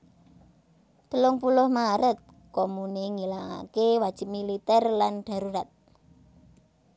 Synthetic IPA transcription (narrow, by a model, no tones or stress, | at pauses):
d̪̥əlʊŋpulʊhmaɾət̪̚ | komuneŋilaŋa̰kewad̥ʒ̥ɪ̤p̚milit̪ɛrlanɖ̥ä̤ɾuɾat̪̚